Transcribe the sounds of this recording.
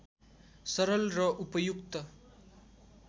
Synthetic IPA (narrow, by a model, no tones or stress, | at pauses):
sʌɾʌlrʌʔupʌjukt̪ʌ